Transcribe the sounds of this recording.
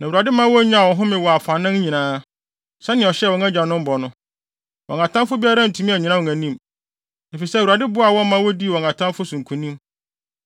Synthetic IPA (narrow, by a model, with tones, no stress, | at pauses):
nã˨u˨a˨dɪ˦mã˦wɔ˦ɲã˦˨wɔ̃˨ɦʊ̃˦mɪ̃˨wɔ˨a˨fa˨nɪ̃˦n˦ɲĩ˨nãː˦ | sɛ˦nɪ̃˨ɔ˨ɕɛ˦˨wɔ̃˦ŋã˦d͡ʑã˨nʊ̃˦m̩˦bɔ˨nʊ̃˦ | wɔ̃˨ŋkã˨tʰã˦nfʊ˦bi˦a˦ɾã˦˨n̩˨tʰũ˨˦mĩ˦æ˨ɲĩ˨nã˦wɔ̃˨æ̃˨nĩ˦˨m | e˨fi˨sɛ˦˨u˨a˨dɪ˦bʊ˦a˨wɔ̃˦m˦mã˦wɔ˦di˦˨wɔ̃˨ŋkã˨tʰã˦fʊ˦sũ˨ŋ˨kʰũ˨nĩ˦m